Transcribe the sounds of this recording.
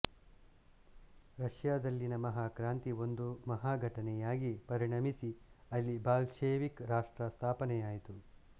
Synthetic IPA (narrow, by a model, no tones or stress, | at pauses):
ɾɐʂjaːd̪ɐlːinɐmɐɦaːkɾaːnt̪io̞nd̪umɐɦaːɡʱɐʈɐnɛjaːɡipɐɾiɳɐmisiɐlːibaːlʃeːʋikɾaːʂʈɾɐst̪ʰaːpɐnɛjaːjit̪u